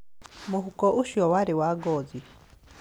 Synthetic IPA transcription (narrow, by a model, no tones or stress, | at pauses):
muɦukɔʔuʃiɔwaɾiwaɡɔd͡zi